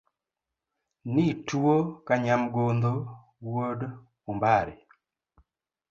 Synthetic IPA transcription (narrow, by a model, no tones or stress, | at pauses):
nituokaɲamɡond̪o | wod | ʊmbaɾe